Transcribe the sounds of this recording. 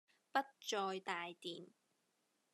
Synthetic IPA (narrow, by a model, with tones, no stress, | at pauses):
pɐ˥t̚t͡ʃɔː˧jt̪aː˨jt̪iː˨˩n